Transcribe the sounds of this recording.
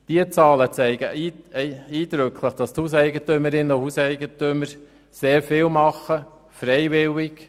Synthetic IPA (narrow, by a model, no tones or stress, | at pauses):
d̥iət͡sɑːlət͡sɛɪɡə | iːd̥ɾʏkʰləχd̥ɑsthusɛɪɡətʏməɾɪnːəʊhusɛɪɡətʏməɾ | seːɾfɪːlmɑχːə | fɾɛjvɪlɪk